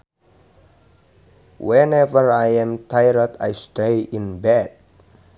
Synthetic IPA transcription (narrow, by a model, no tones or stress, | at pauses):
wɛ̃nɛvəɹajɛ̃mtʰajɹəda̰jstejĩnbɛd̚